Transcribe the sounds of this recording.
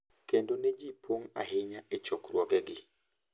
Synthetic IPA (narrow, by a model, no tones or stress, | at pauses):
kendonɛd͡ʒipʰoŋa̰ɦɪɲaɛt͡ʃɔkrwɔɡɛɡɪ